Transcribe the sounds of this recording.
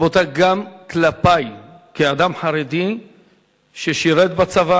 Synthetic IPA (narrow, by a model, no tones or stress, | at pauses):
vot̪aɡamklapajkead̪amħaɾed̪i | ʃeʃiɾet̪bat͡sava